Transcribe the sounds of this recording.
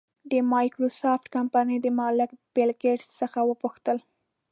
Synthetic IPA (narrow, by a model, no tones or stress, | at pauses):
d̪əmɑjkɾosɑfʈkampanəjd̪əmɑlɪkb̥ɪlɡeʈsəxawəpuxt̪əl